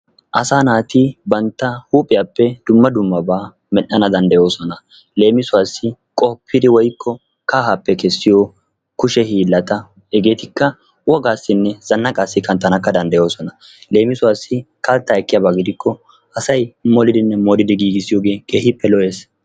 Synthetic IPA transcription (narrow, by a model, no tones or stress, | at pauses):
ʔɐsaːnaːt̪ɪbɐnt̪ːɐhuːpʼɪjaːpːɛd̪̥ʊmːɐd̪ʊmːɐbaː | mɛʔɐnɐd̪ɐnd̪ɐjo̞ːsɔnɐ | le̞ːmɪsʊwaːsːɪ | kʼɔpʰːɪd̪ɪwɔjkʰːɔ | kaːhapːɛkɛsːɪjɔ | kʊʃɛhiːlːɐt̪ɐ | ɛɡeːt̪ɪkːɐ | wɔɡaːsːɪnːɛz̥ɐnːɐkʼaːsːɪkɐnt̪ːɐnɐkːɐd̪ɐnd̪ɐjo̞ːsɔnɐ | le̞ːmɪsʊwaːsːɪ | kɐlt̪ːaɛkːɪjabaːɡɪd̪ɪkʰːɔ | ɐsɐjmɔlɪd̪ɪnːɛmɔːlɪd̪ɪɡiːɡɪsɪjoːɡe̞ːkeːhɪpːɛlɔʔe̞ːs